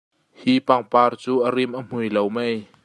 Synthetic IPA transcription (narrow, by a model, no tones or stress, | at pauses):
hipaŋpart͡ɕuʔaɾimʔam̥ujlowmɛj